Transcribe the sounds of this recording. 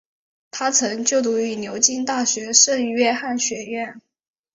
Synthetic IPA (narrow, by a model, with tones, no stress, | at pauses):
t̪ʰa˥t͡sʰɤ˧˥ŋt͡ɕjo˥˩ʊt̪u˧˥y˧˥njo˧˥ʊt͡ɕi˥ŋt̪a˥˩ɕɥɛ˧˥ʂə˥˧ŋ˧ɥɛ˥˧xa˥˩nɕɥɛ˧˥ɥɛ˥˩n